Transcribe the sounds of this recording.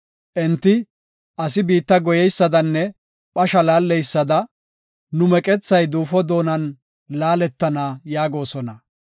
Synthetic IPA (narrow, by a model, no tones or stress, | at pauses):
ʔɛnt̪ːɪ | ʔɐsɪbiːt̪ːɐɡɔjɛjsːɐd̪ɐnːɛ | ɓɐʃɐlaːlːɛjsːɐd̪ɐ | nʊmɛkʼɛt͡sːɐjd̪uːfɔd̪o̞ːnɐn | laːlɛt̪ːɐnaːjaːɡo̞ːsɔnɐ